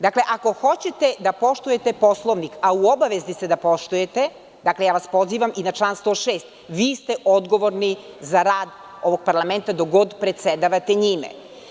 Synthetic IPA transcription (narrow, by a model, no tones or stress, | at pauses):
d̪akle̞ʔako̞xo̞t͡ɕet̪ed̪apo̞ʃt̪uje̞t̪epo̞slˠoʋnikauobaʋezd̪ised̪apo̞ʃt̪uje̞t̪e | d̪akle̞jaːʋaspo̞ziːʋaminat͡ʃlˠaːnst̪oːʃeːst̪ʋiːst̪eʔod̪ɡo̞ʋo̞ɾnizaɾaːd̪ | o̞ʋo̞ɡ̥̚paɾlˠame̞nt̪ad̪oɡo̞d̪pɾet̪sed̪aʋat̪eɲimḛ